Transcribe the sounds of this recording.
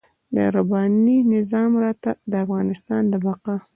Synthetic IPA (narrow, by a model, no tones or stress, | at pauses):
d̪ə̰ɾabɑninɪzɑmɾɑt̪ad̪əafɣɑnɪst̪ɑnd̪əbaqa